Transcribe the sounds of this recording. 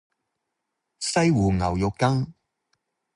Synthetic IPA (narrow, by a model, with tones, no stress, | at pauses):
sɐ˥jwuː˨˩ŋɐ˨˩wjʊ˨kːɐ˥ŋ